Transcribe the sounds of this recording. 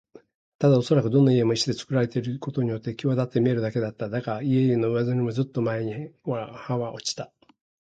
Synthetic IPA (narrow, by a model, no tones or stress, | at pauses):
t̪ad̪ao̞so̞ɾakɯ̟d̪o̞nːaie̞moiɕid̪e̞t͡sɨ̥kɯɾaɾe̞t̪eɾɯko̞t̪o̞ɲ̟ijo̞t̪ːekʲoad̪at̪ːe̞mʲie̞ɾɯ̟d̪ake̞d̪at̪ːad̪akaɾaie̞eno̞ɯ̟βazaɾʲimo̞zɨt̪ːo̞mae̞ɲ̟iβahãβaʔo̞t͡ɕi̥t̪a